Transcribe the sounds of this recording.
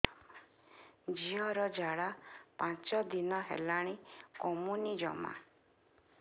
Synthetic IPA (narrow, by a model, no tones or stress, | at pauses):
d͡ʒiɔɾɔd͡ʒaɽapãt͡ʃɔd̪inɔɦḛlaɽ̃ikɔmunid͡ʒɔ̰ma̰